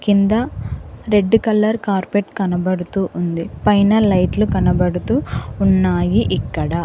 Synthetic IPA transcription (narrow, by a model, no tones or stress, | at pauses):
kind̪ɐɾe̞ɖːukɐlːɐɾkaːɾpeʈkɐnɐbɐɽut̪uːʔund̪ipɐjnɐlɐjʈlukɐnɐbɐɽut̪uːnːaːjiʔikːɐɽɐ